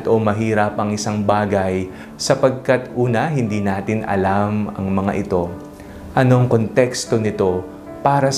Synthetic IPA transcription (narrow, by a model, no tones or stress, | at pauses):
t̪o̞mɐɦiːɾɐp̚ɐŋɪsaŋbaːɡɐj | sɐpɐɡ̚kɐt̪ʔuːnɐɦɪnd̪iːnaːt̪ɪnʔɐ̰lamɐ̰ŋmɐŋa̰ʔɪt̪o̞ | ʔɐno̞ɐŋko̞nt̪ɛkst̪o̞nɪt̪o̞ | paːɾɐ